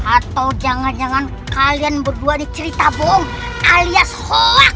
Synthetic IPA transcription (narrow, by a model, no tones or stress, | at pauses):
at̪aud͡ʒaŋand͡ʒaŋan | kalianbərduanit͡ʃəɾit̪abɔŋ | ʔaliashɔak̚